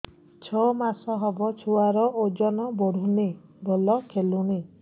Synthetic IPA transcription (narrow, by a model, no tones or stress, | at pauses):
t͡ʃʰɔmasɔɦɔbɔt͡ʃʰuaɾɔʔod͡ʒɔnɔbɔɽ̤une | bolɔkʰelune